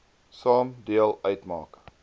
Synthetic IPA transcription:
sɑːmdiəlˠœɥtmɑ̰ːk

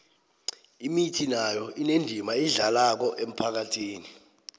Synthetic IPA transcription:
imitʰinajɔinendʱimaiɮalak̬ɔʔem̩pʰak̬atʰiːni

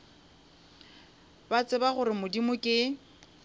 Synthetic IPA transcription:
bat͡sʼɪbaχʊɾɪmʊdimʊkʼɪ

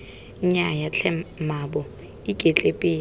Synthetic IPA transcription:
ɲajat͡ɬʰɛmabɔ | ikʼet͡ɬʼepʼɪː

